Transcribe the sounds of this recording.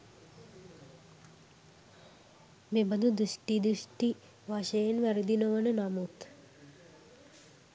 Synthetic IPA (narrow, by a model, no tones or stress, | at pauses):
mebəd̪ud̪uʃʈid̪uʃʈi | ʋaʃejenʋæɾəd̪inəʋənənamut̪